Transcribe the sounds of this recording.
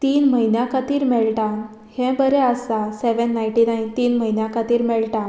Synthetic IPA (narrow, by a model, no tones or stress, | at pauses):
t̪iːnməinjãkat̪iːɾmɛɭʈãn | hɛ̃bəɾɛəsaseʋənːajɳʈinajnt̪iːnməɦinjakʰat̪iːɾmɛɭʈã